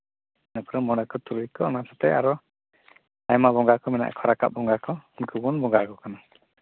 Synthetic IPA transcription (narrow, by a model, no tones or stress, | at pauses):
nɛpɾɔmɔɽakɔt̪uɾujkɔnasat̪ɛaɾɔ | ajmabɔŋɡakɔmɛna̰ʔkʰɔɾaka̰ʔ̚bɔŋɡakɔnkubunbɔŋɡakɔkana